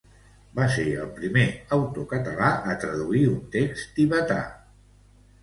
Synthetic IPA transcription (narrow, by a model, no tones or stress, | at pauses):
baseəlˠpɾimeəwt̪okət̪əlaʔət̪ɾəðuiunt̪ekst̪iβət̪a̰